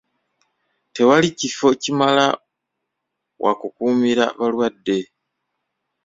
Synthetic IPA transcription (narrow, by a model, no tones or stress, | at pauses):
te̞walicifo̞cimala̰ | wʔa̰kukuːmiɾa̰βalwadːe̞